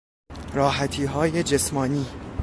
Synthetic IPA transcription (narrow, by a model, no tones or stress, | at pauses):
ɾɒːɦæt̪ʰiːɦɒːje̞d͡ʒe̞smɒːniː